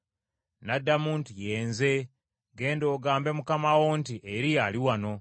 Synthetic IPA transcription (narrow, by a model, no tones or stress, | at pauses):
nadːamuːntuje̞ːnze̞ | ɡe̞ːndo̞ːɡaːmbe̞mukamawontiʔeɾijaliwano̞